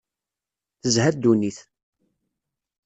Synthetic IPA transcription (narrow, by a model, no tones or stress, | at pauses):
θəzhæd̪uniθ